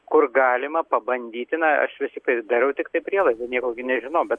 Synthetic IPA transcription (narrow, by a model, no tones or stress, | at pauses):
kʊrɡɑːlʲɪmɐpɐbɐnʲd̪ʲiːt̪ʲɪnɐɐ̰ʃʋʲɪsʲɪkt̪ɐɪd̪ɐɾʲɛʊt̪ʲɪkt̪ɐɪpʲɾʲiɛlˠɐɪzd̪ɐnʲiɛkoːɡʲɪnʲɛʒʲɪnɐʊbʲɛt̪